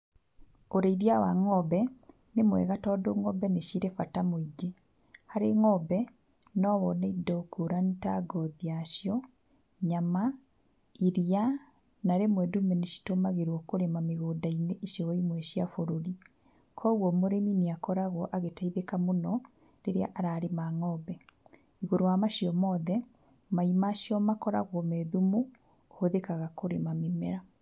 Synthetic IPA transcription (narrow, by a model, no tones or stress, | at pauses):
oɾeiðiawaŋɔbɛ | nemwɛ̰ɣatɔːdoŋɔbɛneʃiɾefatamoiɡe | haɾeŋɔbɛ | nɔβɔnaidɔkoɾantaɡɔðiaʃjɔ | ɲama | iɾia | naɾemwɛdumɛneʃi̥tomaɣeɾwɔkoɾemameɣoːdaineʔeʃɔwɔimwɛʃiafoɾoɾi | kʰɔɣwɔmoɾemineakɔɾaɣwɔʔaɣetaiðekamonɔ | ɾeɾea̰ʔaɾaɾemaːŋɔːβɛ | iɣoɾowamaʃiɔmɔðɛ | maimaːʃjɔmakɔɾaɣwɔmɛðumu | hoðekaɣakoɾemamemɛɾa